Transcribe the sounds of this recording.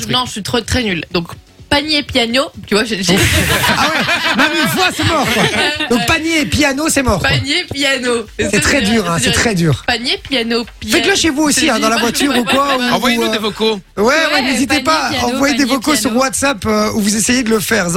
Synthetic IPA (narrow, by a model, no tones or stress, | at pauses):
nɔ̃əsit̪χot̪χɛnyld̪ɔ̃k | paɲepjanot̪yvwaʒʒawɛmamivwasɛmɔʁkwad̪ɔ̃k̚paɲjepjanosɛmɔʁpaɲepjanosɛt̪χɛd̪yʁɛ̃sɛχɛd̪yːʁpaɲjepjanopvɛklaʃevuosiɛ̃d̪ɑ̃lavwat̪ʰyʁukwaũvwad̪evokowɛwɛnezit̪epaɑ̃vwajed̪evɔkosyʁwat̪sapøuvuzesejed̪ələfɛːʁs